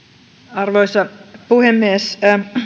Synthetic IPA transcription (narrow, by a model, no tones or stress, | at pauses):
ɑrʋoisɑpuhemːies